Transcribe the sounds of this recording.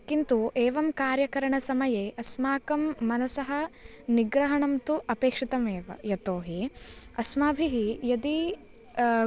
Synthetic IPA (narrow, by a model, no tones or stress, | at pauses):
kint̪uʔeːʋɐmkaːɾjɐkɐɾɐɳɐsɐmɐjeʔɐsmaːkɐmːɐnɐsɐɦɐ | niɡɾɐɦɐɳɐmt̪uʔɐpeːkʂit̪ɐmeːʋɐ̰jɐt̪oːɦiɐsmaːbʱiɦijɐd̪i